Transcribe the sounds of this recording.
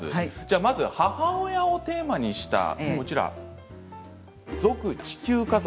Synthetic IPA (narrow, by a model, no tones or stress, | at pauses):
ɨ̰d͡ʑaːmazɨhahaojao̞t̪e̞ːmaɲ̟iɕi̥t̪a̰kot͡ɕiɾa̰ | d͡zo̞kɯ̟t͡ɕi̥kʲɨːkaz